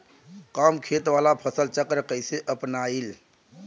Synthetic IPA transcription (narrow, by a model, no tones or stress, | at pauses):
kamkʰet̪ʋalapʰəsəlt͡ʃəkɾəkəjseʔəpnail